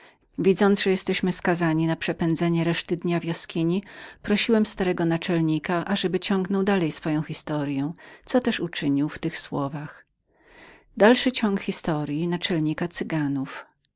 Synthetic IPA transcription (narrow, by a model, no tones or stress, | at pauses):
vʲid̪zɔnd̪ʐɛjɛst̪ɛɕmɘskazaɲinapʂɛpɛnd̪zɛɲɛɾɛʂt̪ɘd̪ɲavʲjɔskʲiɲipɾɔɕiwɛmst̪aɾɛɡɔnat͡ʂɛlɲikaʔaʐɛbɘt͡ɕɔŋɡnɔwd̪alɛjsfɔjɔ̃w̃xʲist̪ɔɾjɛ̃t̪sɔt̪ɛʂut͡ʂɘɲiwft̪ɘxswɔvax | d̪alʂɘt͡ɕɔŋkxʲist̪ɔɾʲjinat͡ʂɛlɲikat̪sɘɡanuf